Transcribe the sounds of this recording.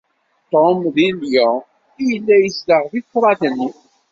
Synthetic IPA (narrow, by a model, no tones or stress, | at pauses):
t̪omðiljə | ijəlːæjəsləʁðiθɾˤɑd̪nːi